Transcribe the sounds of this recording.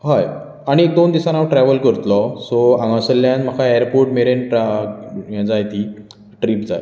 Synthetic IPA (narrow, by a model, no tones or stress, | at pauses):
ɦaj | aɽ̃iek̚d̪ond̪isanaʋʈɾɛʋəlkəɾt̪lɔsɔãŋɡãsəljãnm̤əkʰaejəɾpoɾʈmeɾenʈajãd͡zajt̪iː | ʈɾiːpd͡zaj